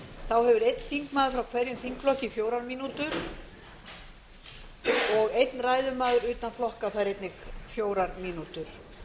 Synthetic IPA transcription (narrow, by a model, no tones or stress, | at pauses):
θawhɛvʏɾejt̪̚n̥θiŋkmaːðʏɾfɾawkʰvɛɾjʏmθiŋkflɔhcɪfjoːwɾaɾmiːnut̪ʏɾ̥ | ɔɣejt̪nraːjðʏmaːðʏɾʏːt̪anflɔhkaθaɾejt̪nɪɣfjoːwɾaɾmiːnut̪ʏɾ̥